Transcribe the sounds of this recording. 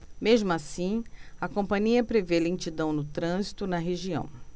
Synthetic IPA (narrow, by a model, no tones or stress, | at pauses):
meʒmʊasĩɐkõpɐ̃ɲiɐpɾevelẽt͡ʃid̪ɐ̃w̃nʊt̪ɾɐ̃zit̪ʊnɐɦeʒiɐ̰̃w̃